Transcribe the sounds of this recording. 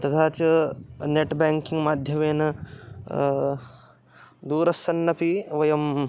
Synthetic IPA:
t̪ɐt̪ʰaːt͡ʃɐneʈbaːŋkiŋɡmaːd̪ʱjɐmeːnɐ | d̪uːɾɐsɐnːɐpiʋɐjɐm

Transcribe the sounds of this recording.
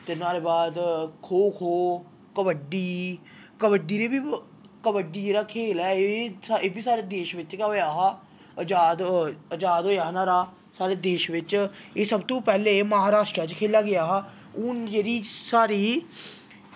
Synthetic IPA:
t̪eːnaːɾeːbaːd̪kʰoːkʰoː | kəbəɖiː | kəbəɖiːɾeːbiː | kəbəɖiːd͡ʒeːɾaːkʰeːlɛːeːbiːsaːɾeːd̪eːʃʋɪt͡ʃkːojaːɦaː | əd͡ʒaːd̪əd͡ʒaːd̪ɦoːjaːɦnaːɾaː | saːɾeːd̪eːʃʋɪt͡ʃeːsəbt̪õːpɛːleːməɦaːɾaːʃʈɾaːt͡ʃkʰeːlaːɡɪjaːɦaː | ʊnd͡ʒeːɾiːsaːɾiː

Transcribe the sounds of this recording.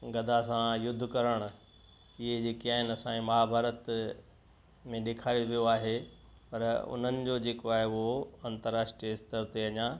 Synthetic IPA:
ɡɐd̪ʱasãjʊd̪ʱːʊkɐɾəɽ̃ʊ̆ | ɪɦed͡ʑeːkiaːɦɪnɐsãẽmɐɦabʱaːɾət̪ | mẽɗeːkʰaːɾoʋijoaːɦe | pɐɾʊ̰n̤ənɪ̆d͡ʑod͡ʑeːkoaːɦeʊɦoɐ̃nt̪əɾːaːʂʈɾijəɪst̪əɾt̪eɐɲã

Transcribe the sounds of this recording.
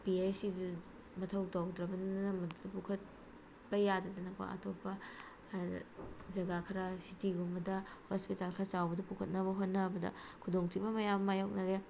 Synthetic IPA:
piesidi | mɐtʰɐwtawdɾɐbɐnɐmɐddɐpukʰɐt̚ | bɐjadɐdɐnɐko̰a̰tʰopːɐ | d͡ʒɐɡakʰɐɾasitiɡumbɐdɐhospitalkʰasawbɐdɐpukʰɐt̚nɐβɐɦot̚nɐbɐdɐ̰kʰudoŋtʰibɐmɐjamːajok̚nɐɡe

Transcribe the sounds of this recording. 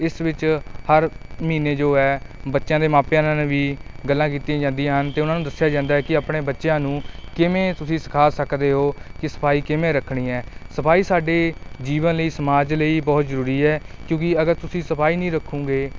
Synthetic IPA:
ɪsʋɪt͡ʃhəɾmiːneːd͡ʒoːɛːbətːʃjãːd̪eːmaːpjãːnãːneʋiːɡəlːãːk̬iːt̪iãːd͡ʒãːnd̪ijãːɦənt̪eːʊnãːnũːd̪əsːɪjaːd͡ʒãːnd̪aːɦɛːkɪaːpɳeːbətːʃjãːnũːkɪmẽːt̪ʊsĩːsɪ̥kʰaːsəkd̪eːɦoːkɪsə̥pʰaːiːkɪmẽːɾəkʰɳĩːɦɛːsəpʰaːiːsaːɖeːd͡ʒiːʋənləiːsəmaːd͡ʒləiːbɔːt̪zəɾuːɾiːɛːkjõːkɪəɡəɾt̪ʊsĩːsəpʰaːiːnĩːɾəkʰːũːɡeː

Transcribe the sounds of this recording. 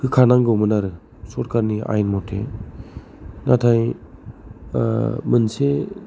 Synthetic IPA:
kʰɯkʰanaŋɡɯwmɯnaɾɯ | sɔɾkaɾnia̰jnmɔtʰḛ | natʰaj | mɯnse

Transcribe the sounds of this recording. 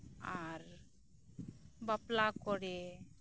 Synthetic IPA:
aɾ | baplakɔɽe

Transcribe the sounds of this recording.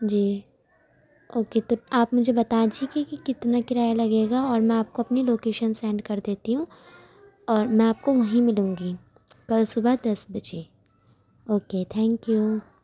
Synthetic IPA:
d͡ʒiː | oːket̪oaːpmʊd͡ʒʱebɐt̪ad͡ʒikikikɪt̪nakɪɾaːjalɐɡeːɡaɔːɾmɛ̃aːp̚koɐpniloːkeːʃənsɛ̃ːɳɖkɐɾd̪eːt̪iɦũ | ɔːɾmɛ̃aːp̚koʋɐɦĩmɪlũːŋɡi | kɐlsʊbəd̪ɐsbɐd͡ʒe | oːket̪ʰɛ̃ːŋkju

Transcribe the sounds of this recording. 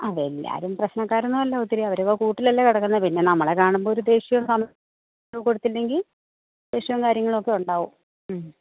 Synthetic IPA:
ɐʋelːa̰ːɾumprɐɕnɐkːaːɾɐnːumɐlːɐut̪ːiɾiɐʋɐɾokːkuːʈːilɐlːɐkiɽɐkːunːɐpinːe̞nɐmːɐɭekaːɳumboːɾud̪e̞ːɕjɐʋɐmsɐm | umkoɽut̪ːilːe̞ŋɡil | d̪e̞ːɕiʋɐmkaːɾjɐŋːɐɭo̞kːe̞uɳɖaːʋumː

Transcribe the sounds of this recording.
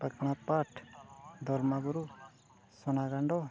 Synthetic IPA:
pəkɽ̃ãpaʈʰd̪ɔɾmabuɾu | sɔnaɡaɳɖɔ

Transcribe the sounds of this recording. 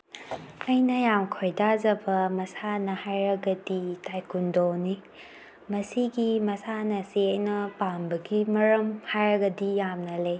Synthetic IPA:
ɐjnɐjamkʰojdad͡ʒɐbɐmɐsanɐhajɾɐɡɐditajkundoni | mɐsiɡimɐsanɐsiɐjnɐpambɐɡimɐɾɐmhajɾɐɡɐdijamnɐlej

